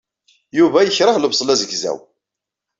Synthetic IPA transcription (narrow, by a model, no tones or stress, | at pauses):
juvæjəçɾˤəhləbsˤlæzəɡzæ̰w